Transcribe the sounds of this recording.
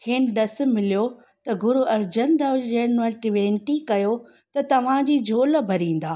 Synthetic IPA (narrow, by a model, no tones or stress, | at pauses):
kʰɪːnɗɐs̆mɪlijo | t̪ɐɡʊɾuːɐɾd͡ʑənd̪ɐd͡ʑɐnəʈɪʋẽːnʈikɐjo | t̪ɐt̪ɐʋ̤ãd͡ʑiːd͡ʑʱoːlbʱɐɾĩːn̆d̪aː